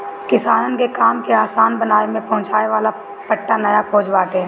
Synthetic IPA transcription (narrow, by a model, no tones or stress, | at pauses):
kɪsaːnənkekaːmkeaːsaːnbɐnaːemẽpɐɦʊ̃t͡ʃaːeʋaːla | pɐʈːanɐjakʰoːd͡ʒbaːʈɛ